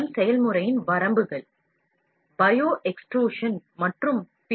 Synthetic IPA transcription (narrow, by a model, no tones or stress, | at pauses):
msɛjɐlmɯɾɐjɪnʋɐɾɐmbɯɣɐɭ | bɐjoːʔɛksʈroːʂɐnmɐʈrɯm | pɪ